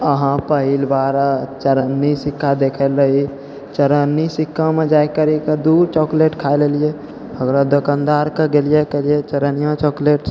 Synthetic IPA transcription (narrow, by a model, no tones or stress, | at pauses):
əɦãpəɦilbaɾt͡ʃəɾənːisikʰːad̪ekʰəlɾəɦi | t͡ʃəɾənːisikʰːamed͡ʒaekəɾiked̪uɾt͡ʃɔkleʈkʰaelelije | ɦəɡɾad̪okand̪aɾkeɡelijekelijet͡ʃəɾənijãt͡ʃɔkleʈ